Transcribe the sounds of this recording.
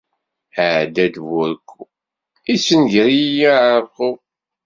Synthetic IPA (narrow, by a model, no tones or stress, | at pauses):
əʕd̪æd̪wʊɾkːu | isənʝəɾijaʕχu